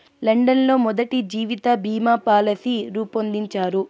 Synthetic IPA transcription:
lɐɳɖɐnlo̞ːmɔd̪ɐʈid͡ʒiːʋit̪ɐbʱiːmaːpaːlɐsiɾuːpond̪iɲt͡ʃaːɾu

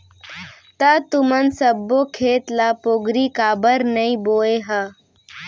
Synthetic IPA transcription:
t̪at̪ʊmənsəbːokʰeːt̪lapoːɡɾikaːbəɾnəĩboːeɦə

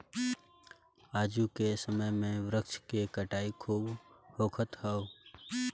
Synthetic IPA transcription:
aːd͡ʒukesəməjmẽʋɾəkt͡ʃkekəʈaːikʰuːbhoːkʰət̪ɦɛo

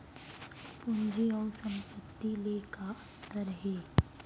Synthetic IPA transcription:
pʊnd͡ʒiɔːɾsə̃mpət̪ːilekaɐ | t̪ːəɾɦɛː

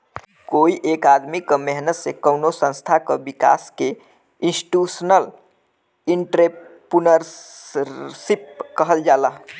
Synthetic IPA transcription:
koiʔekad̪mikəmeɦnət̪sekəwnosə̃nst̪ʰakəbika̰ske | insi̥ʈusənəl | iɳʈɾepunəɾ | sip̚kəɦəld͡ʒaləɦ

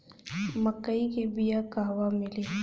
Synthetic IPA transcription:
məkːəikebijakaɦwamɪleː

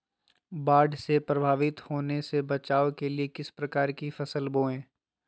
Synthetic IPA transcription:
baːɖʱsepɾɐbʱaːʋɪt̪hoːnesebɐt͡ʃaːokeliekɪspɾɐkaːɾkifɐsəlboːẽː

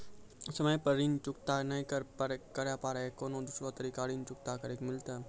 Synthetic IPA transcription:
səməjpəɾiːnt͡ʃʊkt̪aːnɐĩkəɾpəɾkəɾjaːpaːɾeekoːnõːd̪ʊsɾot̪əɾiːkaːɾiːnt͡ʃʊk̚t̪aːkəɾekmɪlt̪aː

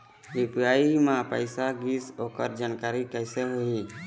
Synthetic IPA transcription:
ʋipjaimãpəɪsaɡisoːkəɾd͡ʒankaɾikəɪseɦoi

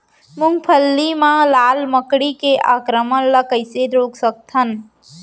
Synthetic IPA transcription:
mʊŋɡpʰəlːimãlaːlməkɽikeʔaːkɾəmənləkəɪseɾoːksək̚t̪ʰən

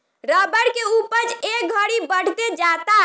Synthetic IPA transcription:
ɾəbəɽkeupət͡ʃek̚ɡʱəɽibəɽ̤t̪ed͡ʒat̪a

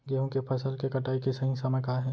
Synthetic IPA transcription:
ɡeɦõkepʰɐsəlkekɐʈaːikesɐɦĩsamekaːɦɛ̃ː

